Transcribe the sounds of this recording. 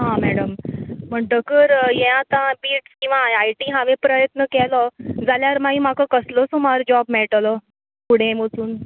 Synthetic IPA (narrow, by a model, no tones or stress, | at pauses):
ɦãmæɽəmm̤əɳʈəkəɾjeãat̪ãbiːʈskĩw̃ʋaajʈiːɦaʋepɾəjət̪nəkɛlɔd͡zaljaɾmaĩmakəkəslɔsomaɾd͡ʑɔbmɛɭʈlɔ | puɽ̤ẽmot͡suːn